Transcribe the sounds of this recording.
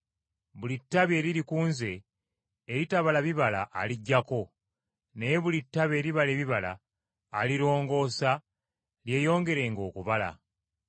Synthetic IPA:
βulitːaβe̞ːɾiɾikuːnze̞ː | ɾitaβalaβiβala̰ʔːliɟːako̞ | ne̞jeβulitːaβe̞ːɾiβale̞ːβiβala̰ː | liɾo̞ːŋɡo̞ːsa | lje̞ːjo̞ːŋɡe̞ɾe̞ŋɡo̞ːkuβala̰

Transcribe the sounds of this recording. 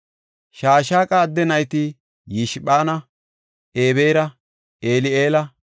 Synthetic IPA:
ʃaːʃ̬aːkʼaːd̪ːɛnɐjt̪ɪ | jɪʃɪɓaːnɐ | ʔeːβe̞ːɾɐ | eːlɪeːlɐ

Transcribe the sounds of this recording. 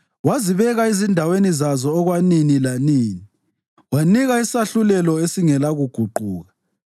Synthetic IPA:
waziβɛɣaizindʱawenizazɔːɣwaninilaniːni | waniɣaisaɬulɛlɔesiŋɛlaɣuɡ̥ʱuǃuːɣa

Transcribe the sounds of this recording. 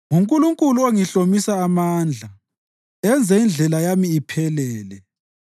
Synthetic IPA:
ŋuŋkʼuluŋkʼuluoŋiɬomisaːmaːnd͡ɮʱa | ɛnd͡zʱɛind͡ɮʱɛlajamiːpʰɛlɛːlɛ

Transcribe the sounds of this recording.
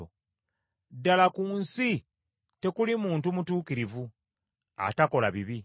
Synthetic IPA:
o | dalakuːnsi | te̞kulimuːntumutuːkiɾivu | a̰tako̞laβiβi

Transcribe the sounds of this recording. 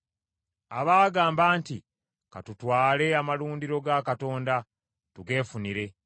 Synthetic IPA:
aβaːɡaːmbaːnti | ka̰tutwaːle̞amaluːndiɾo̞ɡakato̞ːnda | tuɡe̞ːfuniɾe̞

